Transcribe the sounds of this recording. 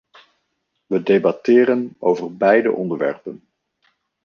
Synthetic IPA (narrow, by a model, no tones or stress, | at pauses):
ʋədejbɑtɪːɾənowvəɹbɛjdə̰ʔɔndəɹʋɛ̰ɹpən